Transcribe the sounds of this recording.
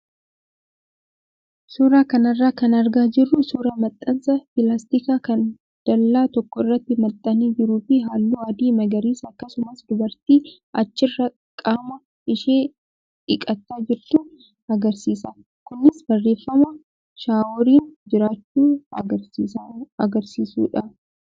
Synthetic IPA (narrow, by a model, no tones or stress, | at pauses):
suːɾaːkɐnɐrːaːkɐnɐɾɡaːd͡ʒɪrːʊsuːɾɐmɐt̪ʼːɐnsɐpɪlaːst̪ɪkaːkɐn | d̪̥ɐlːaːt̪ɔkːɔɪrːɐt̪ːɪmɐt̪ʼːɐniːd͡ʒɪɾuːfɪɦaːlːuːɐd̪iːmɐɡɐɾiːsɐkːɐsʊmɐsd̪ʊbɐɾt̪iː | ʔɐt͡ʃːɪrːɐ | kʼaːmɐ | ɪʃeː | ᶑɪkʼɐt̪ːaːd͡ʒɪɾt̪u | ɐɡɐɾsiːsɐ | kʊnːɪsbɐrːe̞ːfːɐmɐ | ʃaːwɔɾiːnd͡ʒɪɾaːt͡ʃːuː | ɐɡɐɾsiːsṵːᶑɐ